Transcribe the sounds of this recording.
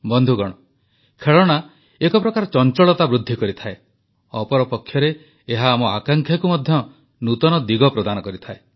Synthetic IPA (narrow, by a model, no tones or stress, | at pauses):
bɔnd̪ʱuɡɔɽ̃ɔ | kʰeɭɔɽ̃a | ekɔpɾɔkaɾɔt͡ʃɔnt͡ʃɔɭɔt̪abɾud̪ʱːikɔɾit̪ʰae | ɔpɔɾɔpɔkʰːjɔɾe | eɦaːmɔa̰kaŋkʰjakumɔd̪ʱjɔ | nut̪ɔnɔd̪iɡɔpɾɔd̪anɔkɔɾit̪ʰae